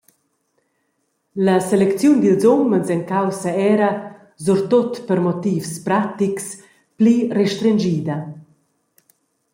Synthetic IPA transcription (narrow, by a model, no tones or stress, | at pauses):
laselɛkt͡sjund̪ilzɔmənzɛŋkawsaɛɾa | zuɾt̪ot̪pəɾmɔt̪iːfspɾat̪iks | plirɛʃt̪ɾɛnd͡ʒiːd̪ɐ